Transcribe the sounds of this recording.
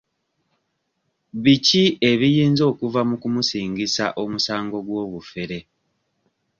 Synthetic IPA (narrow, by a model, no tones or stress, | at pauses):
βicie̞βijiːnzo̞ːkuvamukumusiːŋɡisa̰ʔo̞musaːŋɡo̞ɡwo̞ːβufe̞ɾe̞